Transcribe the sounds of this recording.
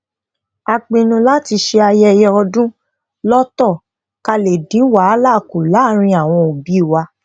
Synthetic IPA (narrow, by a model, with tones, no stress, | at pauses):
a˧k͡pĩ˧nũ˧la˦ti˧ʃe˧a˧jɛ˦˨jɛ˧ɔ˧dũ˦ | lɔ˦tɔ˦˨ | ka˧le˨dĩ˨˦wa˨˦la˦˨ku˨la˨˦˨ɾ̃ĩ˧a˨w̃ɔ̃˧o˨bi˨˦i˦˨wa˧